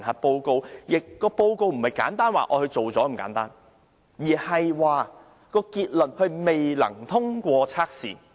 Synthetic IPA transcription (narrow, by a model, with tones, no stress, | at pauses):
nhɐ˨t̚po˧wko˧wjɪ˨kːɔː˧po˧wko˧wm̩˨˩hɐ˨˩jka̰ː˨˥nt̪aː˥nwa̰ː˨ʔɔː˨˧hɵ˧ɥt͡so˨wt͡sɔː˨˥m̩˨˩ka̰ː˨˥nt̪aː˥n | jiː˨˩hɐ˨jwaː˨ | kɔː˧kiː˧t̚lɵ˨nhɵ˧ɥme˨jlɐ̰˨˩ŋt̪ʰʊ˥ŋkʷɔː˧t͡sʰaː˥k̚sḭː˨